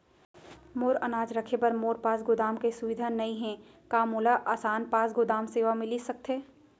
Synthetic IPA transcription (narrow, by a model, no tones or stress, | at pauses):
moːɾɐnaːd͡ʒɾɐkʰepɐɾmoːɾpaːsɡʊd̪aːmkesʊʋɪd̪ʱanɐĩɦɛ̃ | kaːmoːlaʔaːsaːnpaːsɡʊd̪aːmseːʋamɪlisɐk̚t̪eː